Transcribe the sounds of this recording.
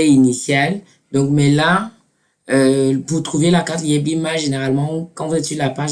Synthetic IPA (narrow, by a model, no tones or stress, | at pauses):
ɛinisjal | d̪ɔ̃kmɛla | øvut̪χuvelakat̪jɛbimaʒeneʁalmɑ̃kɑ̃vuzɛetsilapaʒ